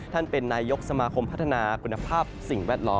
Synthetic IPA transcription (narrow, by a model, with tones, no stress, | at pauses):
t̪ʰa˥˩npe˧nːaː˧jo˦˥k̚sa˧maː˧kʰo˧mpʰa˦˥t̪̚ʰːa˧naː˧kʰu˧nːa˧pʰaː˥˩p̚si˨˩ŋwɛː˥˩t̪̚lɔː˦˥